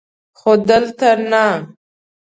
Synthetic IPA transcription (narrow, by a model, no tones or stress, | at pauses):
xod̪əlt̪aɾna